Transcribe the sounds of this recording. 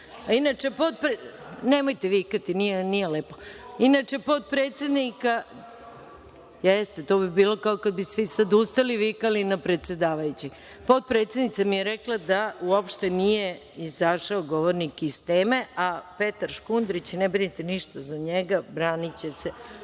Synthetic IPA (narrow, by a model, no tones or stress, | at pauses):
ainat͡ʂe̞po̞t̪̚pɾnemojt̪eʋikat̪inijenijeleːpo̞inat͡ʂe̞po̞t̪̚pɾet̪sʲe̞d̪nika | jest̪e̞t̪o̞ːbibiːlo̞kaokad̪̚bisʋisad̪ust̪aliʋikalinapɾe̞t̪sʲe̞d̪aːʋajut͡ɕi | po̞t̪̚pɾet̪se̞d̪nit̪samijeɾeklˠad̪auopʃt̪enije̞ | izaʃaoɡo̞ʋoɾnikist̪eːmeape̞t̪aɾʃkund̪ɾit͡ɕnebɾinit̪eniʃt̪azaɲeɡabɾaːnit͡ɕese